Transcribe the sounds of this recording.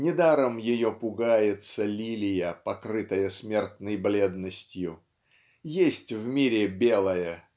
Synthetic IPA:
nʲɪd̪aɾəmjɪjopʊɡajɪt̪səlʲilʲɪjəpɐkɾɨt̪əjəsmʲe̞rt̪nəjblʲed̪nəsʲtʲjʊ | jesʲtʲvmʲiɾʲɪbʲelˠəjə

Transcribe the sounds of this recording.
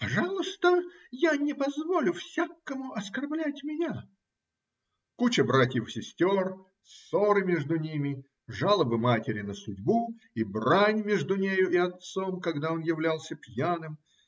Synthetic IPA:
pɐʐɑlˠʊst̪əjanʲɪpɐzvo̞lʲʊfsʲakːəmʊɐskɐrblʲætʲmʲɪnʲa | kut͡ɕəbɾatʲjɪfsʲɪsʲtʲor | soɾɨmʲe̞ʐd̪ʊnʲimʲɪ | ʐalˠəbɨmatʲɪɾʲɪnəsʊdʲbu | ibranʲmʲeʐd̪ʊnʲejʊʔɪɐt̪so̞mkɐɡd̪aonjɪvlʲalˠsʲəpjanɨm

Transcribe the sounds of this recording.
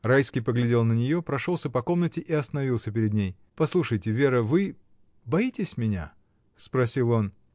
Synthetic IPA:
rajskʲɪjpəɡlʲɪdʲe̞lˠnənʲɪjo̞pɾɐʂo̞lˠsʲəpɐko̞mnətʲɪʔɪɐst̪ənɐvʲilˠsʲəpʲɪɾʲɪd̪nʲej | pɐslˠuʂəjtʲɪvʲe̞ɾəvɨ | bɐitʲɪsʲmʲɪnʲa̰ | spɾɐsʲilˠo̞n

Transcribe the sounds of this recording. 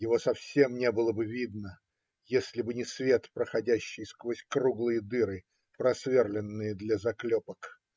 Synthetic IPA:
jɪvo̞sɐfsʲe̞mnʲe̞bɨlˠəbɨvʲid̪nə | jesʲlʲɪbɨnʲɪsvʲe̞t̪pɾəxɐdʲæɕːɪjskvosʲkɾuɡlˠɨjəd̪ɨɾɨ | pɾɐsvʲerlʲɪnːɨjəd̪lʲazɐklʲopək

